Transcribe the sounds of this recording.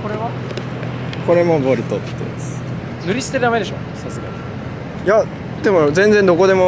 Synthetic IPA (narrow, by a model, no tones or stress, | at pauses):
koɾe̞βa | ko̞ɾe̞moboɾɯ̟t̪ot̪ːḛsɨ̥ | nɨ̟ɾʲisɨ̥t̪eɾ̟d̪ame̞d̪e̞ɕo̰sasɨɡa̰ɲʲi | ja | d̪e̞mozẽ̞nd͡zend̪o̞ko̞d̪e̞mo